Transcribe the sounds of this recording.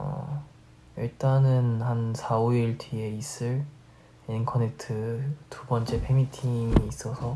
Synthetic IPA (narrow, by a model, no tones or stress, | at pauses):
ʌ̰ | iɭt͈anɯnhansʰaoiɭtʰie̞is͈ɯɭ | inkʰʌne̞tʰɯtubʌnt͡ɕ͈e̞pʰe̞mitʰimiːs͈ʌsʰʌ